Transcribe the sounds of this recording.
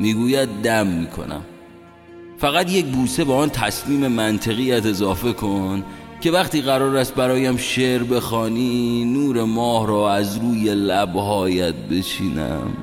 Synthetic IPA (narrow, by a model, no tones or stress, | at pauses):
miːɡuːjæd̪̚ːæmːiːkʰo̞̰næ̰m | fæɣæt̪jec̚buːse̞beɒːnt̪ʰæsmiːme̞mænt̪ʰe̞ɣiːjæt̪e̞zɒːfe̞kʰon | cʰe̞væχt̪iːɣæɾɒːɾæst̪̚bæɾɒːjæmʃeɾbe̞xɒːniːnuːɾe̞mɒːhɾɒːæzɾuːjelæbhɒːjæt̪̚be̞t͡ʃʰiːnæ̰m